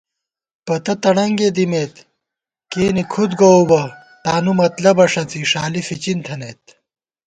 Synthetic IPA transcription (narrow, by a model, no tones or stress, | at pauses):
pɐt̪ɐt̪ɐɽɐŋɡed̪imeːt̪ | keːnikʰud̪ɡoubɐ | t̪aːnumɐt̪lɐbɐʂɐt͡siʂaːlifit͡ɕint̪ʰɐneːt̪̚